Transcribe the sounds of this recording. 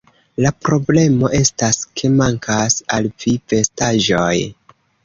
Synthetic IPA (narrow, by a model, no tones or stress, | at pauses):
lapɾo̞ble̞mo̞ʔe̞staskʰe̞maŋkʰasalv̥ife̞staʒo̞j